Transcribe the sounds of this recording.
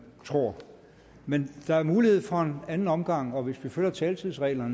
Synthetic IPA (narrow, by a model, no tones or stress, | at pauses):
t͡sʰʁo̝ɐ̰ | mend̥ɑ̈æɐmuːlihe̝ð̞̰ˠfɒ̽e̝nænn̩ɒ̽mɡ̥ɑ̈ŋ̰ɒ̽ʋe̝sʋiføl̰ɐt͡sʰɛːlt͡sʰið̰ˠsʁɛ̰ːlɐn